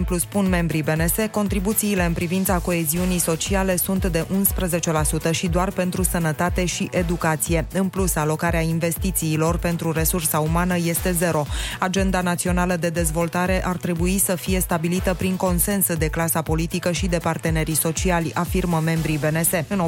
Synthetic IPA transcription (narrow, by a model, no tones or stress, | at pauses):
pluspunme̞mbɾibe̞ne̞se̞ko̞nt̪ɾibut̪siːle̞ɨnpɾivint̪sako̞e̞ziunijso̞t͡ʃiale̞sunt̪d̪e̞ʔunspɾəze̞t͡ʃe̞lasut̪əʃid̪oarpe̞nt̪ɾusənət̪at̪e̞ʃiʔe̞d̪ukat̪sije̞ɨnplusalo̞kaɾeainve̞st̪it̪siːlo̞rpe̞nt̪ɾuɾe̞sursaumanəje̞st̪e̞ze̞ɾo̞ad͡ʒe̞nd̪anat̪sio̞naləd̪e̞d̪e̞zvo̞lt̪aɾe̞ʔart̪ɾe̞buisəfije̞st̪abilit̪əpɾiŋko̞nse̞nsd̪e̞klasapo̞lit̪ikəʃid̪e̞part̪e̞ne̞ɾiso̞t͡ʃialʲafirməme̞mbɾibe̞ne̞se̞ɨno